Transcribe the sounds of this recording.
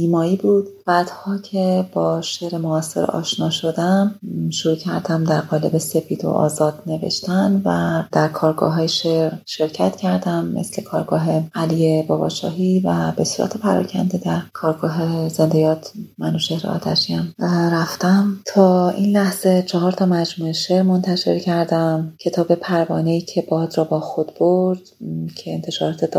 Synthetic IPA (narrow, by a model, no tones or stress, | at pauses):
iːmɒːiːbuːd̪̥b̥æːd̪̥hɒːcʰe̞bɒːʃe̞ɾemoæsːḛɾḛʔɒ̰ːʃnɒːʃo̞d̪æmʃoɾuːcʰæɾd̪æmd̪æɾɣɒːle̞be̞se̞pʰiːd̪o̰ʔɒ̰ːzɒːd̪ne̞vḛʃt̪ænvæd̪̥æɾkʰɒːɾɡɒ̰ːɦɒːjeʃeɾʃe̞ɾcʰæt̪cʰæɾd̪æmːḛsle̞kʰɒːɾɡɒːɦe̞æliːjebɒːbɒ̰ʃɒ̰ːɦivæbe̞suːɾʔæ̰t̪ʰe̞pʰæɾɒ̰cʰænd̪ed̪æɾkʰɒːɾɡɒːɦeze̞nd̪e̞jɒːt̪ʰmænoʃe̞hɾḛɒ̰ːt̪ʰæ̰ʃiæmɾæft̪æmt̪ʰɒːʔinlæhz̥e̞t͡ʃʰɒɦɒːɾt̪ʰɒːmæd͡ʒmuːeʃeɾmo̞nt̪ʰæʃe̞̰ɾcʰæɾd̪æmcʰe̞t̪ʰɒːbe̞pʰæɾvɒːneiːcʰe̞bɒːd̪ɾɒːbɒːxo̞d̪̥b̥oɾd̪̥cʰeːnt̪ʰeʃɒːɾɒːt̪ʰed̪